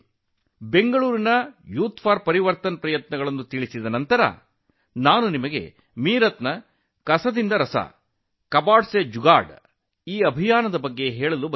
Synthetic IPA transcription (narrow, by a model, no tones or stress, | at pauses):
be̞ŋɡɐɭuːɾinɐjuːt̪pʰaːɾpɐɾiʋɐɾt̪ɐnɐpɾɐjɐt̪nɐɡɐɭɐnːut̪iɭisid̪ɐnɐnt̪ɐɾɐ̰ | naːnunimɐɡe̞̰ | miːɾɐt̪nɐ | kɐsɐd̪ind̪ɐɾɐsɐ̰ | kɐbaːɖsed͡ʒuɡaːɖ | iːɐbʱijaːnɐd̪ɐbɐɡːe̞ɦɛːɭɐlub